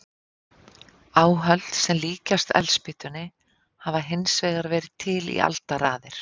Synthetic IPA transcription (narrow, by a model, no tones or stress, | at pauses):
aːwɦœl̥t̪sɛmliːcast̪ɛ̰lspɪht̪ʏnɪ | havaɦensvɛːɣaɾvɛːɾɪðt̪ʰɪlḭʔa̰lt̪aɾaːðɪɾ̥